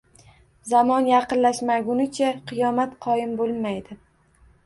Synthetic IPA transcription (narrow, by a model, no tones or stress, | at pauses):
zamɒnjɑqɨnlaʃmaɡʊnɪt͡ʃʰaqʰɨjɒmat̪qʰɒjɪmbolˠmajd̪ɪ